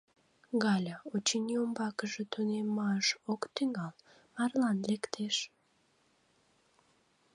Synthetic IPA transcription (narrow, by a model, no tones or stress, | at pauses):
ɣɑlʲaot͡ɕiniombɑkəʒət̪unemːɑəʃokt̪yŋɑl | mɑrlɑnlekt̪ʰeʃ